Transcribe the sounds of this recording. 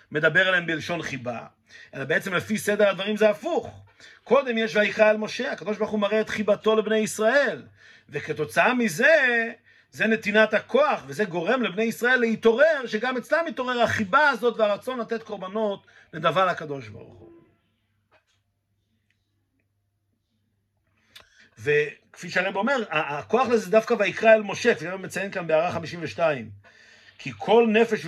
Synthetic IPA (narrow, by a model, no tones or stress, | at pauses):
me̞d̪abe̞ʁlahembeːlʃo̞nχiba̰ | ʔe̞labeet͡semlefise̞d̪eʁhad̪vaʁimzeafuχ | ko̞d̪e̞mjeʃvaikaelmo̞ʃe̞akad̪o̞ʃ̬baʁuχumaʁeet̪χibato̞lebnejisʁae̞l | veket̪o̞t͡saamize | ze̞ne̞t̪inat̪hakʰo̞aχvezeɡo̞ʁe̞mlebne̞jisʁae̞lːeit̪o̞ʁeʁʃeɡamet͡slamit̪o̞ʁe̞ʁaχibaːzo̞t̪veaʁat͡so̞nlat̪e̞t̪ko̞ʁbano̞t | le̞d̪avaʁhakad̪o̞ʃba̰ʁṵχṵ | veke̥fiʃeaʁembome̞ʁaako̞aχlezed̪afkavaikʁaelmo̞ʃekfiʃaʁemet͡sajenkanbeaʁaχamiʃimveʃtaim | kʰikʰo̞lne̞feʃ